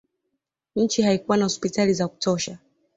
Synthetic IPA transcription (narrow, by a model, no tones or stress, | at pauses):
ɲ̩t͡ʃihaikuwanahɔspitalizaku̥tɔʃa